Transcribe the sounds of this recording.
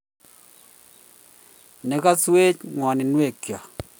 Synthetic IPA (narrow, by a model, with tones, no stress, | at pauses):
nɛ˨ka˦swe˦t͡ʃŋwɔ˨nɪ˨nwe˦˨kja˨